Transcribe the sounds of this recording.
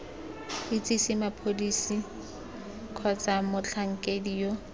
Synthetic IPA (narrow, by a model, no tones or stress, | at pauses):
ɪt͡sʼisimapʰodisi | kʰɔt͡samʊt͡ɬʰaŋ̩kʼediːjo